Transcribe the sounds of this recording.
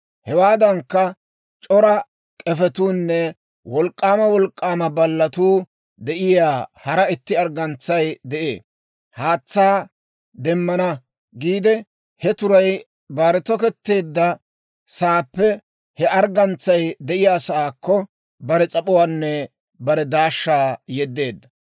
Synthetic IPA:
hɛwaːd̪ɐŋkːɐ | t͡ʃʼɔɾɐ | kʼɛfɛt̪uːnːɛ | wɔlkʼːaːmɐwɔlkʼːaːmɐbɐlːɐt̪uː | d̪ɛʔɪjaːhɐɾɐɪt̪ːɪɐɾɡɐnt͡sːɐjd̪ɛʔḛː | haːt͡sːaː | d̪ɛmːɐnɐ | ɡiːd̪ɛ | hɛt̪ʊɾɐj | baːɾɛt̪ɔkɛt̪ːe̞ːd̪ːɐ | saːpːɛ | hɛʔɐɾɡɐnt͡sːɐjd̪ɛʔɪjaːsɐʔaːkːɔ | bɐɾɛt͡sʼɐpʼɔwaːnːɛ | bɐɾɛd̪aːʃːaːjɛd̪ːe̞ːd̪ːɐ

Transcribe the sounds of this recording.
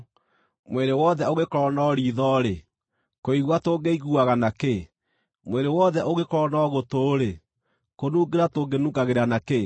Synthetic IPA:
mweɾewɔðɛoɣekɔɾɔnɔːɾiðɔɾe | koiɣwatoɡeiɣuaɣanake | mweɾewɔðɛʔoɣekɔɾɔnɔɣotoːɾe | konuɡeɾatoɡenuɡaɣeɾanake

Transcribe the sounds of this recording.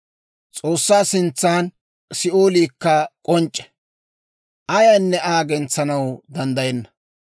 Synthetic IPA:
t͡sʼoːsːaːsɪnt͡sːaːn | sɪoːliːkːɐkʼɔnt͡ʃʼːɛ̥ | ʔɐjanːɛaːɡɛnt͡sːɐnɐwd̪ɐnd̪ɐjɛnːɐ̥

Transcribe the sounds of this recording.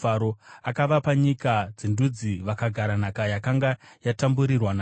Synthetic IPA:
aɾoakaʋapaɲikad͡zindud͡ziʋakaɡʱaɾanakajakaŋɡajatambuɾirwanaː

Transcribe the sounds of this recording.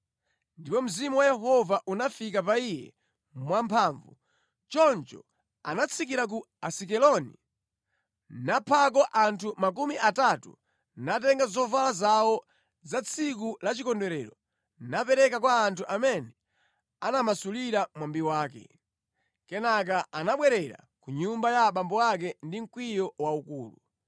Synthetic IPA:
ndipɔm̩zimuwajɛɦɔvaʔunafikapaijɛ̰ | mwampʰaːɱvu | t͡ʃɔnt͡ʃɔ | a̰nat͡sʰik̬iɾak̬u | asik̬ɛlɔnḭ | napʰak̬ɔʔantʰumakumiʔatatṵ | nat̬ɛŋɡazɔvalazawɔ | zat͡sʰikulat͡ʃikɔndɛɾɛɾɔ | napɛɾɛkakwaːntʰuʔamɛnɛ | anamasuliɾamwambiwaːkɛ̰ | kɛnak̬aʔanaɓwɛɾɛɾa̰kuɲumbajaɓambɔwak̬ɛndiŋ̩kwijɔwaukuːlu

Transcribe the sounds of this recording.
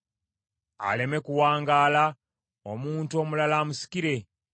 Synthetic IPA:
a̰le̞me̞kuwaːŋɡaːla | omuːntuo̞ːmulalamusi̥kiɾe̞

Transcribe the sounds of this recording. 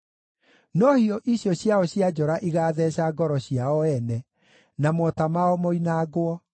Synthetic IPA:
nɔhiɔʔiɕjɔɕjaɔɕjad͡ʑɔɾaʔiɣaːðɛɕaɡɔɾɔɕiaɔɛnɛ | namɔtamaɔmoinaːɡwɔ

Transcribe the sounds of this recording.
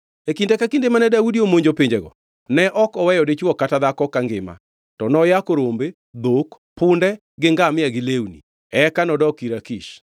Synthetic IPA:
ekindɛkakindemanɛdaudiomoɲd͡ʒopiɲd͡ʒeɡɔ̰ | nɛʔɔkɔwɛjɔdet͡ʃwɔkataðakɔkaŋɡɪma̰ | tɔnɔjakoɾombe | d̪ok | pʰʊndɛ | ɡɪŋɡamɪaɡɪlewnḭ | ɛkanɔdɔkiɾakiʃ

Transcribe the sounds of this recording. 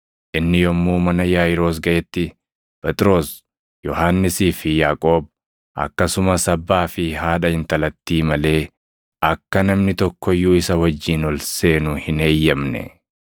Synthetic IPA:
ʔɪnːɪjɔmːuːmɐnɐjaːjɪɾo̞ːs̬ɡɐʔɛt̪ːɪ | pɛt̪ʼɪɾo̞ːs | jɔhaːnːɪsiːfɪjaːkʼo̞ːb̚ | ʔɐ̰kːɐsʊmɐsɐbːaːfɪɦaːᶑɐhɪnt̪ɐlɐt̪ːiːmɐle̞ː | ʔɐkːɐnɐmnɪt̪ɔkːɔjːuːɪsɐwɐd͡ʒːiːnɔlse̞ːnʊhɪne̞ːjːɐmnɛ̰

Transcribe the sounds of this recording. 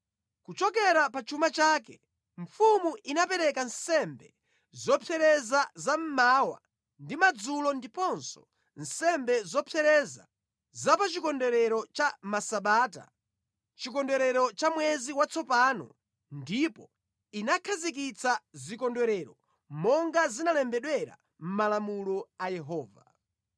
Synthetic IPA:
kut͡ʃɔk̬ɛɾapat͡ʃumat͡ʃakɛ | ɱ̩fumuʔinapɛɾɛkansɛmbɛ | zɔpʰɛɾɛzazam̩mawa̰ | ndimad͡zulɔndipɔnsɔ̥ | n̩sɛmbɛzɔpʰɛɾɛza̰ | zapat͡ʃikɔndɛɾɛɾɔt͡ʃamasaɓaːta̰ | t͡ʃikɔndɛɾɛɾɔt͡ʃamwɛziwat͡sɔpaːnɔ̰ | ndipɔ | inakʰazik̬it͡sazikɔndwɛɾɛɾɔ | mɔŋɡazinalɛmbɛɗwɛɾa̰ | m̩malamulɔajɛɦɔːva̰

